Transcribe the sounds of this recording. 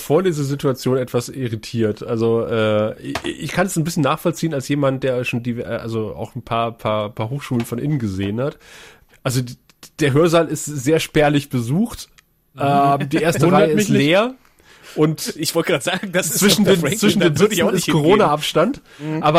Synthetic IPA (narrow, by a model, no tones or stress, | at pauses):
foːɐdiːzɐzɪtuat͡sjoːnɛtv̥asɪʁitʰiːɐtʔalzoʔɛː | ɪçkʰandasnbɪsçənːaːχfɔlt͡siːənalsjeːmant̚d̥eːɐʃoːndiːvɛ̰ːʔa̰lzoa̰ʊxn̩pʰaːɐpʰaːɐpʰaːɐɦoːxʃuːlənfɔnʔɪ̰nənɡəzeːənhat | ʔalzod | d̥eːɐɦøːɐzaːlɪstz̥eːɐʃpɛɐlɪçb̥əzuːxt | ʔɛːdiːʔeːɐstəʁaɪəɪtleːɐ | ʔʊntɪçv̥ɔltɡʁaːtz̥aːɡŋ̩dast͡sv̥ɪʃn̩deːmt͡sv̥ɪʃn̩eːzɪɪskʰoʁoːnaʔapʃtant | ʔaːbɐ